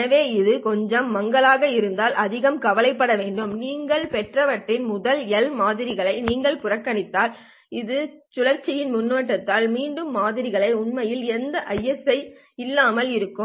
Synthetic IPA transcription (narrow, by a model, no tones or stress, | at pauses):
ɐʋeːɪðɯkɔɲd͡ʒɐmːɐŋɡɐɭaːɣɐɪɾɯnd̪aːlʔɐðɪɣɐmkɐʋɐlɐɪpːɐɽɐʋeːɳɖɯmniːŋɡɐɭpɛʈrɐʋɐʈːrɪnmʊðɐlɛlmaːðɪɾɪɣɐɭɐɪniːŋɡɐɭpʊrɐkːɐɳɪt̪ːaːl | ɪðɯ | t͡ʃʊlɐɾt͡ʃːɪjɪnmʊnːoːʈːɐt̪ːaːlmiːɳɖɯmːaːðɪɾɪɣɐɭɐɪʊɳmɐjɪlɛnd̪ɐʔɐjːɐsɐɪ | ɪlːaːmɐlɪɾɯkːɯ